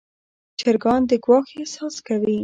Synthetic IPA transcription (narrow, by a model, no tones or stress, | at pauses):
t͡ʃɪɾɡɑnd̪əɡwɑxesɑskawi